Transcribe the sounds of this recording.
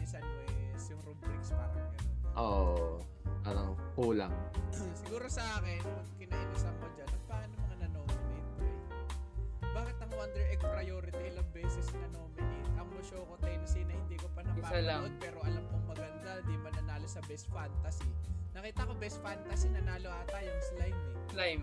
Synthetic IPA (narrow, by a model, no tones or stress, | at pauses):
ɪsɐnoɛsjʊŋɾobɾikspaːɾɐŋɐnʔoʔ | paɾɐŋkuːlaŋsɪɡuːɾosɐʔaːkɛnkɪnaːʔɐnosɐmkod͡ʒanɐt̪̚paːʔɐnomɐŋanɐnoːmɪnɛnt̪ɾɛ | baːkɪt̪̚ːɐŋond̪ɾɛʔɛkspɾɐjoːɾɪt̪iʔɪlɐŋbɛːsɪsnɐnoːmɪnɛʔɐŋmʊʃoːkot̪ɛjnɐsiːnɐhɪnd̪iːko̞pɐnɐpaːalaod̪̚pɛːɾoʔɐlamkoŋmɐɡɐnd̪ad̪imɐnɐnaːlosɐbɛst̪fant̪ɐsinɐkiːt̪ɐkobɛsfant̪ɐsinɐnaːloʔat̪ajʊŋɪslajmɪlajm